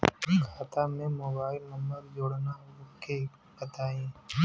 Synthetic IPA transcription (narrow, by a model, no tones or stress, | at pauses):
iːkʰaːt̪ʰaːmẽːmoːbaːɪlməməɾd͡ʒoːɽnaːʊkʰeː | pət̪aːĩː